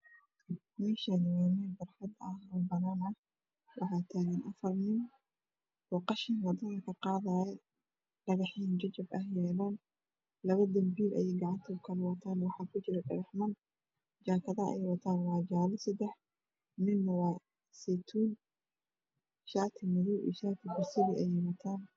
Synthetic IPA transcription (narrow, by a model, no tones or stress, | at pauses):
mɛːʃɐnwɛːmɪbɐrħɑd̪ɐhrɔːbɐnaːnɐh | wɑħɑːt̪ʰaːɣɐnʔɐfɐrnɪn | bɔːqɑʃɪnwɐd̪ɐðɐkʰɐqɑːðaːjɛ | ɖ̥ɐɣɑħiːnd͡ʒɐd͡ʒɐbɐhjɛːlaːn | lɐβɐd̪ɐmbiːlɛ̰jɛjɡɑʕɑnt̪ʰɐʊkʰɐlɛwɑt̪ʰaːnwɑħɑːkʰʊt͡ʃɪɾɐɖɐɣɑħmɐn | d͡ʒaːkʰɐðɐɐ̰ɛjwɐt̪ʰaːnwɑːd͡ʒaːlɪsɐd̪ɛħ | mɪnːɐwɑː | sɛt̪ʰuːn | ʃaːt̪ʰɪmʊðuːḭːʃaːt̪ʰɪbʊrsɪðiʔɛjɛwɐt̪ʰaːn